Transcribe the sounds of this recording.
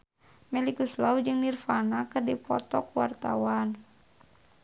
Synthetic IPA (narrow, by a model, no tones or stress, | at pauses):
mɛlikuslaud͡ʒɨŋnirfanakɨrdipɔ̰t̪ɔkwart̪a̰wan